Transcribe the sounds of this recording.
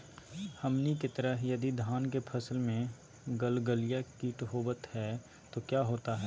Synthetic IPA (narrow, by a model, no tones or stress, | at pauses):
hɐmniket̪əɾəɦjɐd̪id̪ʱaːnkepʰɐsəlmẽ | ɡəlɡəlijakiʈɦoːbət̪hɛː | t̪okjaːɦoːt̪aɦɛː